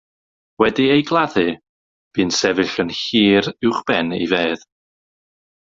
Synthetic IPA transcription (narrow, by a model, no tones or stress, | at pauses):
wɛdiejɡlˠaðɨ | b̥ɨːnsɛvɨɬənhiːɾɪwχb̥ɛnḭveːð